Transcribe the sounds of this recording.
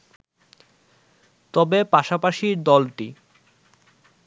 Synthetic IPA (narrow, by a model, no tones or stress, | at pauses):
t̪ɔbepaʃapaʃiɾd̪ɔlʈi